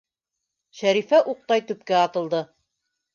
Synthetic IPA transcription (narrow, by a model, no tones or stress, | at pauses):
ʃæɾifæʔuq̚t̪ɑjt̪ɵ̆p̚kæɑt̪ɤ̆lˠd̪ɤ